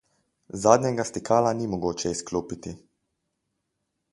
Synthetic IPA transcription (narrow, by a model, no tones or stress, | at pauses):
zaːd̪ɲɛɡast̪ikʰaːlanimɔɡoːt͡ʃɛiskloːpit̪i